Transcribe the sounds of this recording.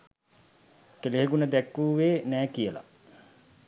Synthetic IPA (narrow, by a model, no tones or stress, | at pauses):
keleɦekunəd̪ækːuːʋeːnæːkijəla̰